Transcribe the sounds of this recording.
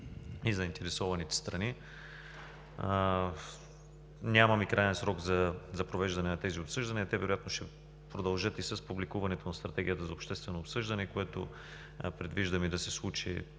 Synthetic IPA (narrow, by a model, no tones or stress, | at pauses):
izɐint̪ɛɾɛsɔvɐnit̪ɛ̥st̪ɾɐni | nʲamɐmikɾajɛnsɾɔɡzɐzɐpɾovɛʒd̪ɐnɛnɐt̪ɛziopsɤʒd̪ɐniɐt̪ɛvɛɾojat̪noʃt̪ɛ | pɾod̪ɐlˠʒɤt̪isɐspublikuvɐnɛt̪onɐst̪ɾɐt̪ɛɡijət̪əzɐopʃt̪ɛst̪vɛnoːpsɤʒd̪ɐnɛkoɛt̪o̰ | pɾɛd̪viʒd̪ɐmid̪ɐsɛslˠut͡ʃḭ